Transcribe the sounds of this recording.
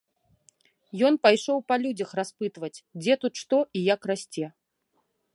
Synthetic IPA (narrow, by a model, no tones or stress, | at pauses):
jɔnpajʂɔwpɐlʲud͡zʲɐxraspɨt̪vɐt͡sʲd͡zʲɛt̪ut̪ʂt̪ɔʔijakrasʲt͡sʲɛ